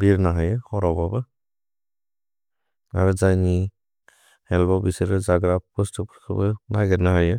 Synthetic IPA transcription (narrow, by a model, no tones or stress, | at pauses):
biɾnaɦajɯhɔɾɔbabɯ | a̰ɾɯzajni | hɛlbɔbiseɾɯzaɡɾap̚pɔstʰɯpʰɾkʰɯbɯnaɡɛɾnahajɯ